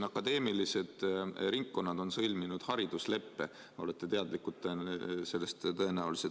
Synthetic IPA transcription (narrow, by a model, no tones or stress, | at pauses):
ɑkːˑɑd̪e̞ːmilise̞d̪̥ɾiŋkːo̞nːɑd̪̥o̞nsɤ̞lʲminud̪̥hɑɾid̪̥usle̞pːe̞ | o̞le̞t̪ːˑe̞t̪e̞ɑd̪likːˑut̪ːˑese̞lːest̪t̪ɤ̞e̞næulise